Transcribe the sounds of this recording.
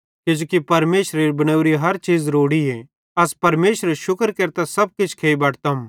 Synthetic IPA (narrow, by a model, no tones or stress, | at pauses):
kɪd͡ʒoːkipɐɾmeːʃɾeɾibɐñəʊɾiɦɐɾt͡ʃiːzɾoːɽie | ɐspɐɾmeːʃɾeʃʊkəɾkeːɾt̪asɐb̚kɪt͡ʃʰkʰeːibɐːʈʰt̪ɐm